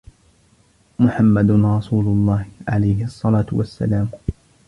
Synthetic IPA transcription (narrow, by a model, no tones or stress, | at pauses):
mʊħamːad̪ʊɾˤɑsuːlʊlˤːɑːhʕalajhɪʔɑsˤːɑlaːt̪ʊwasːa̰laːm